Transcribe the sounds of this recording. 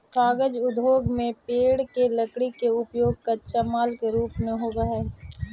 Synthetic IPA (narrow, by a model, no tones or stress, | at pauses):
kʰaːɡəd͡ʒʊd̪ʱoːɡmẽpeːɽkelɐkɽikeʊpjoːɡ̚kɐt͡ʃamaːlkeɾuːpnẽɦoːɡɐɛː